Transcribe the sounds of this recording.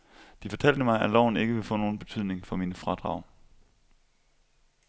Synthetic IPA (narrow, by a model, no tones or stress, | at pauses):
d̥ifɒ̽t͡sʰæl̰d̥əmɑ̈ɪælɒʊn̩e̝ɡ̥əʋe̝fɔ̰̽ːno̝ːn̩b̥e̝t͡sʰyð̰ˠne̝ŋfɒ̽minəfʁɑ̈d̥ʁɑ̈ʊ̰